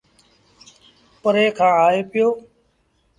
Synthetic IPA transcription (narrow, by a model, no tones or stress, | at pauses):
pəɾeːkʰãːaːeːpɪjoː